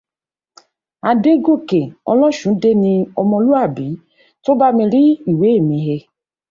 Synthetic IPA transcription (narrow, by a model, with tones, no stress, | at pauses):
a˧de˦ɡo˦˨ke˨ɔ̰˧lɔ̃˦˨ʃũ˨˦de˦nĩ˧ɔ˧mɔ̃˧lu˦a˦˨bi˨˦ | to˦ba˦mĩ˧ɾi˦i˦˨we˨˦e˦˨mĩ˨˧˦ɦe˧